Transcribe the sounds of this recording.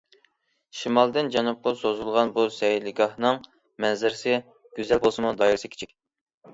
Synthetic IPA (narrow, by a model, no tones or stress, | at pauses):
ʃimɑlˠd̪ɨnd͡ʒɑnup̚qɑsozulˠʁɑnbusɛjlɪɡʲɑhnɨŋ | mɛnzɪɾsɪ | ɡ̥ʲyzɛlbolˠsɨmud̪ɑjɾɨsɨkʲʰe̥t͡ʃʰikʲ